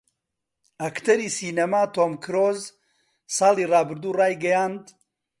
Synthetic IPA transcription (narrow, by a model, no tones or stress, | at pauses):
ɐkt̪ʰɐɾiːsiːnɐmaːt̪oːmkʰɨɾoz | sɑːliːrɑːbɨɾd̪uːrɑːjɡɐjaːnd̪